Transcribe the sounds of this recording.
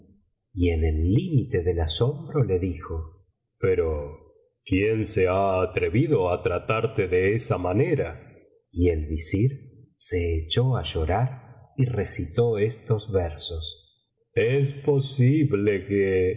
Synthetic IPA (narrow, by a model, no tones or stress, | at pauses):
ienelːimit̪e̞ðelaso̞mbɾo̞le̞ðixo | peɾo | kjense̞aːt̪ɾe̞βiðoat̪ɾat̪aɾt̪eðeesamaneɾa | ie̞lβisiɾse̞ːt͡ʃoaʒo̞ɾaɾire̞sit̪oest̪o̞zβeɾsos | es̬posiβleke